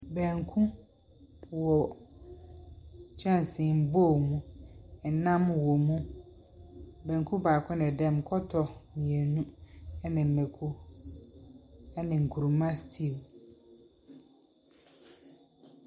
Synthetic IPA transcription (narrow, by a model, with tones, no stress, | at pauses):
bɛ̃˨ŋ˨kʰũ˦˨ | wɔ˨ | t͡ɕʰᶣɛ̃˦n˨sɪ̃˨m̩˦bo˦˨mũ˦ɛ˨˦nã˦mwɔ˨mũ˦ | bɛ̃˨ŋ˨kʰũ˦baː˨kʷʰɔ̃˦nɛ˨dɛ̃˦m˨kʰɔ˦tʰɔ˨mĩ˨ɛ˨nũ˦ɛ˦nɪ̃˨m̩˨mɛ˨kʰu˦ | ɛ˦nɪ̃˨ŋ̩˨kʰu˨ɾu˨mã˦stʰi˦˨w